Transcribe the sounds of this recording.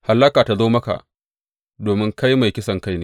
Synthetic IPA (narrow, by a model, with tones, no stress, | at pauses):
ha˨lːɐ˦kaː˨ta˨zoː˦mɐ˦ka̰˨ʔ | doː˨mɪ˦ŋka˦jma˨jkʲɪ˦sɐ˨ŋka˦jneː˦